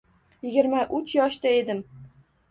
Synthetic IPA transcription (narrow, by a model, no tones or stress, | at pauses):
jɪɡʲɪɾmaʔʊt͡ʃjɒʃt̪ae̞d̪ɪm